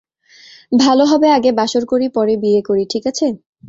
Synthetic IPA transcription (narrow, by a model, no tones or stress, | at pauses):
bʱaloɦɔbeaɡebaʃoɾkoɾipɔɾebiekoɾiʈʰikat͡ɕʰe